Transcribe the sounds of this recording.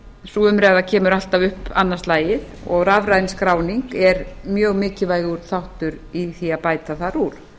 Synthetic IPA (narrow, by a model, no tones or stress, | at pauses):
suːʏmɾɛɣðacʰɛːmʏɾal̥t̪avʏhpanːast̪laːjɪðɔ̰ɣravɾajnskɾaːwniŋkɛɾmjœːɣmɪːcɪvaːjɣʏɾ̥θawht̪ʏɾiθiaðpaːjt̪aθaɾuɾ̥